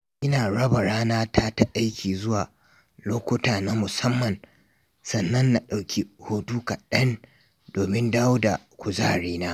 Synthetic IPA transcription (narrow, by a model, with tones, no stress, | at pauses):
ʔɪ˦naː˨ɽɐ˦ba˨ɽaː˦naː˦ta˦ta˦ʔa˦jkʲiː˨zʊ˦waː˨ | loː˦kʷʊ˦taː˨na˦mʊ˨sɐ˦mːɐ˨n | sɐ˨nːɐ˦nːa˨ɗa˨wkʲʰi˦hoː˦tuː˦ka˨ɗɐ˦n | doː˨mɪ˦ndaː˦wʊ˦da˨ | kʷʊ˨zaː˦ɽiː˦naː˦